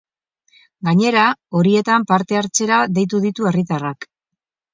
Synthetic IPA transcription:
ɡaɲe̞ɾao̞ɾie̞t̪ampaɾt̪e̞aɾt͡se̞ɾaðe̞jt̪uðit̪ue̞rit̪arak

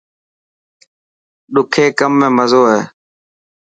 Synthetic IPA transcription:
ɗʊkʰeːkəmːẽːməzoːɦɛː

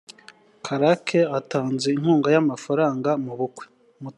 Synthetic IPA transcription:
kʰaɾakʰeataːnzein̥huːŋɡajamafaɾaːŋɡamuβukwe̥ | mu

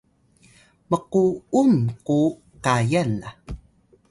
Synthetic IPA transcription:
məquumku | kajana

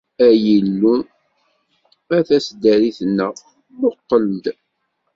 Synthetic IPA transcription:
æjəlːu | æθæsd̪æɾiθənːə | moq̪ːələmd̪

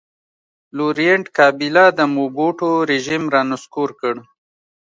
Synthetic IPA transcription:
luɾijeɳʈkɑːbilad̪əmuboʈoɾeʒimɾɑːnʊskuɾkəɽ

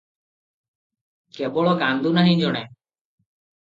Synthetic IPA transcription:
kebɔɭɔkand̪unaɦĩd͡ʒɔɽ̃ɛ

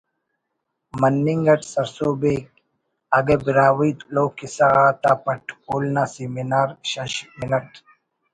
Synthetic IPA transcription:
mɐnːiŋɡɐʈsɐɾsoːbek̚ | aɡebiɾaːwit̪loːkisaɣaːt̪apɐʈʰkolnasiminaːɾɕɐɕminɐʈ

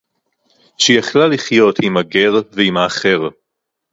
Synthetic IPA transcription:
ʃejaχlaliχjo̞timaɡeʁveimhaːχe̞ʁ

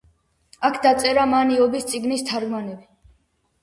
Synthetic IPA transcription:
akʰd̪at̪sʼɛɾamaniɔbist̪sʼiɡnist̪ʰaɾɡmanɛbi

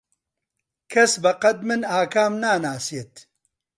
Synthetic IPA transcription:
kʰɐsbɐqɐd̪̚mɨnaːkʰaːmnaːnaːset̪

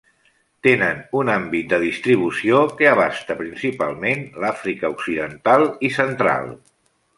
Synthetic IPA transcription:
t̪enənunambit̪̚d̪əðist̪ɾiβ̞usiokəəβ̞ast̪əpɾinsipa̰lˠmenlafɾikəuksiðənt̪alˠisənt̪ɾa̰lˠ

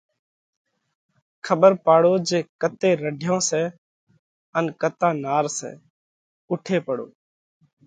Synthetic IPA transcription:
kʰəɓəɾpaːɽoːd͡ʒeːkət̪eːɾəɖʱjõːsɛː | ənkət̪ãːnaːɾsɛ̰ː | ʊʈʰeːpəɽo̰ː

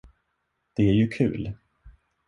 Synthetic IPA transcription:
d̪̥ɛæɾjɵkʰʉ̟̰ːl

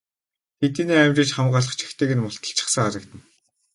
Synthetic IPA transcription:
t̪ʰet̪iːneːæmʲt͡ɕɪ̆t͡ɕχamɢaːɮə̆χt͡ɕʰi̥xt̪ʰeːɣɘ̆nmʊɬt̪ə̆ɬt͡ɕʰɪ̥̆χsə̆ŋaɾə̆kt̪ə̆n

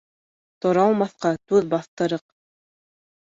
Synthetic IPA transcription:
t̪ŏɾɑlˠmɑθqɑt̪ʉðbɑθt̪ɤ̆ɾɤq

